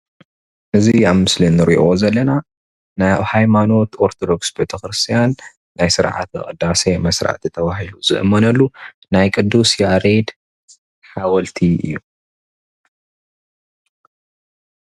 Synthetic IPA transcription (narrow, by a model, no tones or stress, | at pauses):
ʔɨziaβmɨslinːɨɾḭʔo̞zɐlːɐna | nahajmano̞t̪o̞ɾt̪ʰod̪o̞ksbe̞t̪ʰɐxɾɨst̪ʰijanː | ajsɨɾʕa̰t̪ɨ̰kʼɨd̪ːase̞mɐsɾa̰ʕt̪ɨt̪ʰɐβaɦiluzɨ̰ʔɨmːɐnɐlːu | najkʼɨd̪usjaɾed̪ | ħawɐlt̪ʰiʔɨ̰jːu